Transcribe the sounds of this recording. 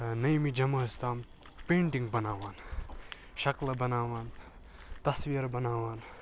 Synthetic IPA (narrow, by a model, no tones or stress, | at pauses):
nɐjmid͡ʒɐmɐst̪aːm | peːɳʈiŋɡ̚bɐnaːʋaːn | ʃɐklɐbɐnaːʋaːn | t̪ɐsʋijɐɾbɐnaːʋaːn